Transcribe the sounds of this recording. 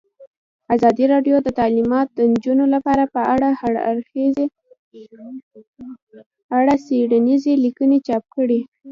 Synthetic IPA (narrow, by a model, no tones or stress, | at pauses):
azɑd̪iɾɑɖjod̪ət̪alimɑt̪̚d̪ənd͡ʒunolapɑɾapəaɽaaɽa̰ɾxez | aɽaseɽanizelikənet͡ʃɑp̚kəɽi